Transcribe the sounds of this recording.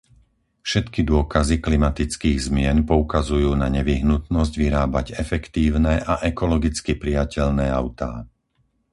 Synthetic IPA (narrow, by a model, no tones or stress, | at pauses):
fʃɛt̪kid̪ʊɔkaziklimat̪it͡skiːɣzmɪɛnpɔukazujuːnaɲɛʋiɦnut̪nɔzɟʋiɾaːbaɟɛfɛkt̪iːʊnɛʔaʔɛkɔlɔɡit͡skipɾijacɛʎnɛːaʊt̪a̰ː